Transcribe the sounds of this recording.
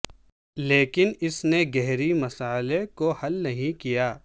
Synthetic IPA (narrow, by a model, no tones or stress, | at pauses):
leːkɪnɪsneɡɛɦɾimɐsaːlekohɐlnɐɦĩkijaː